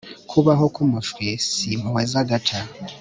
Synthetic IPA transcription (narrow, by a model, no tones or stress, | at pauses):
kʰuβaɦokumufɾesimuwezaɡatʰa